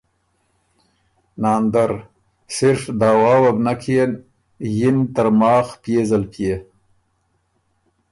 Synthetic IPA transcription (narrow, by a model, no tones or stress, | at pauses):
nɑːnd̪aɾ | sɪɾfd̪ɑːwɑːwabnakʰeen | jɪnt̪əɾmɑːxpjezalpʰje